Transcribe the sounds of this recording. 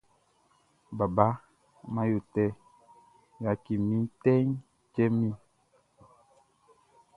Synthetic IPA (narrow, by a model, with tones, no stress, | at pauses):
ba˨ba˦ | ma˦jo˨tɛ˦˨ | ja˨ki˨mi˦tɛ˦ŋ | t͡ʃɛ˦mĩ˦